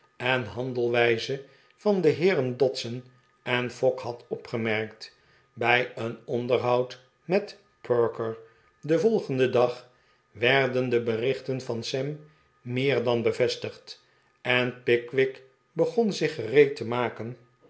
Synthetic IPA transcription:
ɛnɦɑndəlˠʋɛjzə | fɑndəɦɪːrəndɔtsən | ɛnfɔkhɑtɔpχəmɛɹkt | bɛjənɔndəɹɦɑwt | mɛt | pʰøɹkəɹ | dəvɔlˠχəndədɑχ | ʋɛɹdəndəbərɪχtənvɑnsɛmː | ɪːɹdɑnbəvɛstəχt | ɛnpɪkʋɪk | bəχɔnzɪχərejtəmaːkən

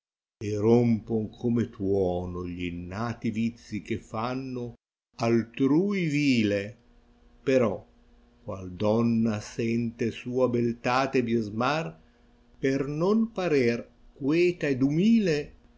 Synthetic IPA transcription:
eɾompoŋkʰomet̪wɔːnoʎinːaːt̪ivit̪sːik̟efanːo | alt̪ɾuːjviːle | peɾɔ | kwald̪ɔnːasɛnt̪esuːabelt̪aːt̪ed̪jezmar | pernonpaɾer | kwɛːt̪aed̪umiːle

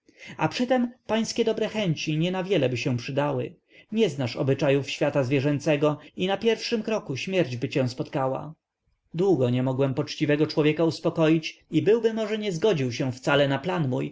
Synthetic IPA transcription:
apʂɘt̪ɛmpaj̃skʲɛd̪ɔbɾɛxɛɲt͡ɕiɲɛnavʲjɛlɛbɘɕɛ̃w̃pʂɘd̪awɘ̰ | ɲɛznaʂɔ̰bɘt͡ʂajufɕfʲjat̪azvʲjɛʐɛnt̪sɛɡɔinapʲjɛɾfʂɘmkɾɔkuɕmʲjɛɾd͡ʑbɘt͡ɕɛ̃w̃spɔt̪kawa̰ | d̪wuɡɔɲɛmɔɡwɛmpɔt͡ʂt͡ɕivɛɡɔt͡ʂwɔvʲjɛkauspɔkɔjit͡ɕibɘwbɘmɔʐɛɲɛzɡɔd͡ʑiwɕɛ̃ft̪salɛnaplanmuj

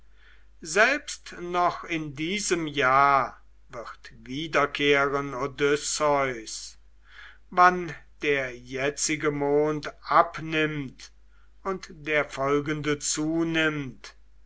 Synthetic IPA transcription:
zɛlpstnɔχɪndiːzəmjaː | vɪʁtviːdɐkʰeːʁənodʏsɔʏs | vand̥eːɐjɛt͡sɪɡəmoːntʔapnɪmt | ʊntd̥eːɐfɔlɡəndət͡suːnɪmt

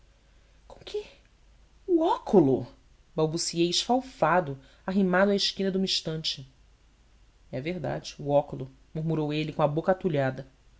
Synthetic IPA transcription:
kõkʰɪ | uɔkʰulʊ | bawbusiejɪʃfawfad̪ʊ | aɦimad̪ʊaɪʃkĩnɐd̪ũĩʃt̪ɐ̃nt͡ʃɪ | ɛɐveɦd̪a̰d͡ʒɪ̥ʊɔkulʊ | muɾmuɾowelɪkõɐbokɐat̪uʎad̪ɐ

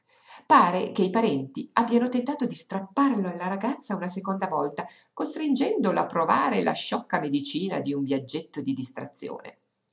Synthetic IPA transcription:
paːɾekeipaɾɛnt̪iabːjanot̪ent̪aːt̪od̪ist̪ɾapːarloalːaɾaɡat̪sːaunasekond̪avɔlt̪a | kost̪ɾind͡ʒɛnd̪ola̰pːɾova̰ːɾelʔa̰ʃːɔkːamed̪it͡ʃiːna̰d̪iuɱvjad͡ʒːet̪ːod̪id̪ist̪ɾa̰t̪sːjo̰ːnḛ

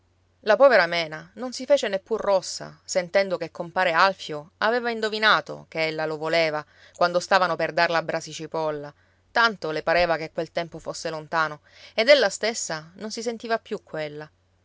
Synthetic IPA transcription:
lapɔːveɾamɛːnanonsifeːt͡ʃenepːurːɔsːa̰sent̪ɛnd̪okekːompaːɾealfjoaveːvaind̪ovinaːt̪o̰keelːalovoleːva | kwand̪ost̪aːvanoperd̪arlaːbɾasit͡ʃipɔlːa | t̪ant̪olepaɾeːvakekːwelt̪ɛmpofosːelont̪aːno | ed̪elːast̪esːanonsisent̪iːvapːjukːwelːa

